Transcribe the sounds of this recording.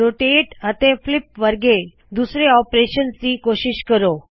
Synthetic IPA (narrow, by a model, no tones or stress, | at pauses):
oʈeʈət̪eflipʋəɾɡe | d̪usɾeɔpɾeɕənt͡siːkoɕiɕkəɾo